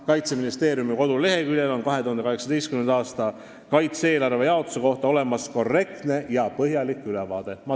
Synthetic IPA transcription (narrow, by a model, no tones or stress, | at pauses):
kɑjt̪se̞minist̪e̞ːɾjumiko̞d̪̥ule̞ɦe̞kyljelo̞nkɑɦe̞t̪uhɑnd̪eɑɦeksɑd̪ejst̪kymend̪̥ɑːst̪ɑ | kɑjt̪se̞ːlɑɾve̞jɑot̪ːu̥se̞ko̞ht̪ɑo̞le̞mɑsko̞rːe̞k̚t̪ne̞jɑpɤɦjɑlikːˑylɛvɑːd̪̥e̞mɑ